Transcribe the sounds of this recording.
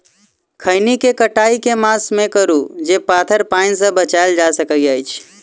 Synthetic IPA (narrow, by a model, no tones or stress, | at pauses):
kʰəɪnikekəʈaikemasmẽkəɾud͡ʒepat̪ʰəɾpaɪnsə̃bət͡ʃaɪld͡ʒasəkəiəjt͡ʃʰ